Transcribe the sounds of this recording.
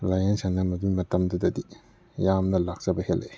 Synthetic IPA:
lajensanɐmɐdumɐtɐmdɐdɐdi | jamnɐlak̚t͡ʃɐbɐhelʔe

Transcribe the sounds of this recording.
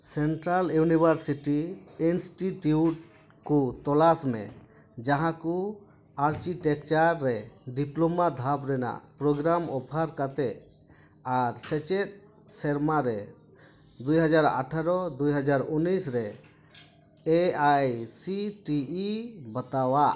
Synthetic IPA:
sɛɳʈɾaljunibʱaɾsiʈiinsʈiʈuʈ̚ | kut̪ɔlasmɛ̰ | d͡ʒaɦãku | aɾt͡ʃiʈɛkt͡ʃaɾːɛɖiplɔmad̪ʱapɾɛna̰ʔpɾɔɡɾamɔpʰaɾkat̪ɛʔ | aɾsɛt͡ʃɛt̪̚ | sɛɾmaɾɛ | d̪ujɦad͡ʒaɾa̰ʈʰaɾɔd̪ujɦad͡ʒaɾunːisɾɛ | eajsiʈiibət̪awaʔ

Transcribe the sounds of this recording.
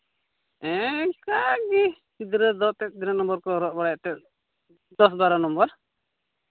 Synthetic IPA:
ɛ̃kaɡi | sid̪ɾɛd̪ɔt̪ɛt̪̚ˀd̪inanɔmbɔɾkɔɦɔɾɔt̚baɽajaʔt̪ɛt̪̚ | d̪ɔs̬baɾanɔmbɔɾ

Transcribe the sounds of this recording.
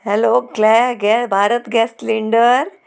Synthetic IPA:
hɛloːklɛɡɛbʱaːɾət̪ɡɛːsʈliɳɖəɾ

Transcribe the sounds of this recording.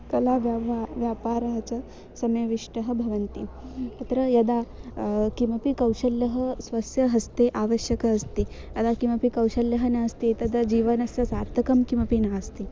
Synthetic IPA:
kɐlaːʋjaʋjaːpaːɾɐɦɐt͡sɐ | sɐmjɐʋiʂʈɐɦɐbʱɐʋɐnt̪iɐt̪ɾɐjɐd̪a | kimɐpikɐwʂɐljɐɦɐsʋɐsjɐɦɐst̪eʔaːʋɐʃjɐkɐːst̪i | jɐd̪aːkimɐpikɐwʃɐljɐɦɐnaːst̪it̪ɐd̪ɐd͡ʒiːʋɐnɐsjɐsaːɾt̪ːɐkɐmkimɐpinaːst̪i

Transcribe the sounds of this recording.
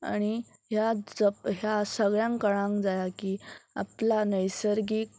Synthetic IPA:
a̰ɽ̃i | ɦjad͡zəɦjasəɡɭjãŋkəɭãŋkd͡zajakiːa̰planəjsəɾɡiːk

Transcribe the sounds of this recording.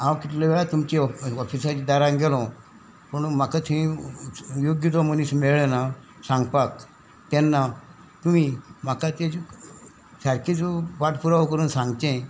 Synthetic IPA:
ãwkit̪leʋeɭat̪umt͡ɕeɔfisat͡ɕid̪aɾãŋɡelɔ̃ | pəɳmakat̪ĩ | joɡjət̪ɔməniːsmeɭena | sãŋɡpak | t̪ɛnːa | t̪umim̤akat̪e | saɾkit͡sʋaʈpuɾaʋkəɾuːnsãŋɡt̪ẽ

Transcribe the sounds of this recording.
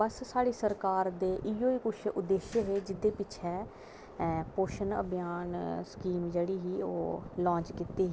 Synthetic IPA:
bəssaːɽiːsəɾkaːɾd̪eːʔiːjoːiːkʊt͡ʃʰʊd̪ːeːʃəɦeːd͡ʒɪd̪eːpɪt͡ʃʰɛ̃ː | poːʃənə̰bɪjaːnskiːmd͡ʒeːɽiːɦiːo̰ːlɔ̃ːt͡ʃkit̪ːiːɦː

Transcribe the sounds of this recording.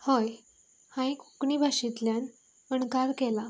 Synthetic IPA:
həj | hãikukɳiːbʱaɕit̪ljan | əɳkaɾkɛla

